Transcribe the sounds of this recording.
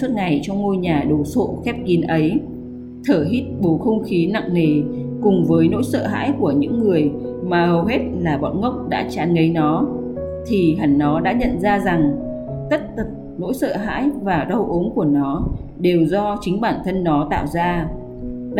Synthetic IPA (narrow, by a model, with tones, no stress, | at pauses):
u˦˥t̚ŋa˨˩jt͡ɕɔ˧wŋ͡mŋo˧jɲaː˨˩ɗo˨˩so̰˧˨xɛ˦˥p̚ki˨˦nʔə˨˦j | t̪ʰəː˧˩ɦi˦˥t̚ɓo˨˦xə˧wŋ͡mxi˨˦na̰˧˨ŋne˨˩kʊ˨˩ŋ͡mvəː˨˦jno̰˧˥jsə̰ː˧˨ɦa̰ː˧˥jku˧˩əɲɨ̰˧˥ŋːɨ˨˩əj | maː˨˩hə˨˩wɦe˦˥t̚laː˨˩ɓɔ̰˧˨nŋə˦˥wk͡p̚ɗa̰ː˧˥t͡ɕaː˨˦nŋə˨˦jnɔ˨˦ | t̪ʰi˨˩ɦa˨˩ŋnɔ˨˦ɗa̰ː˧˥ɲə̰˧˨nzaː˧za˨˩ŋt̪ə˦˥t̚t̪ə˨˩p̚no̰˧˥jsə̰ː˧˨ɦa̰ː˧˥jvaː˨˩ɗə˧wʔo˨˦nku˧˩ənɔ˨˦ | ɗe˨˩wzɔ˧t͡ɕï˨˦ŋ̟ɓaː˧˩nt̪ʰə˧nːɔ˨˦t̪a̰ː˧˨wzaː˧